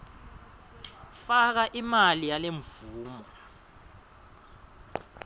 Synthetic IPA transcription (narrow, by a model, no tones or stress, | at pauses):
fak̬aʔimalijaleɱvuːmɔ